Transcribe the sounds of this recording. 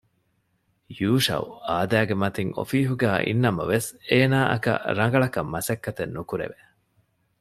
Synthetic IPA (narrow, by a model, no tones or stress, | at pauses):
juːʃɐ̰uaːd̪æːɡemɐt̪iŋo̰fiːɦuɡæːʔḭnːɐmɐʋeseːnaːʔɐ̰kɐ̰ɾɐŋ̆ɡɐɭɐkɐmːɐsɐkːɐt̪enːukuɾḛʋe